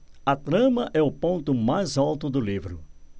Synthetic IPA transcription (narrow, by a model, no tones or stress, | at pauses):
ɐt̪ɾɐ̃mɐʔɛʊpõnt̪ʊmajzalt̪ʊd̪ʊlivɾʊ